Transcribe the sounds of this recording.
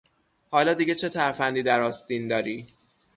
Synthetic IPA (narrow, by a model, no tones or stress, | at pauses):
hɒːlɒːd̪iɟet͡ʃʰe̞t̪ʰæɾfænd̪iːd̪æɾɒːst̪iːnd̪ɒːɾiː